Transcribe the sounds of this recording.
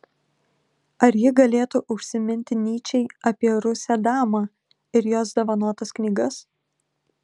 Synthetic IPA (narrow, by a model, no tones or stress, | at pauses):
ɐɾjɪɡɐlʲeːt̪ʊʔʊʃʲsʲɪmʲɪnʲt̪ʲɪnʲiːt͡ʃʲɛɪɐpʲiɛɾʊsʲæːd̪ɑːmɑː | ɪɾjoːsd̪oʋɐnuɔt̪ɐsknʲiːɡɐs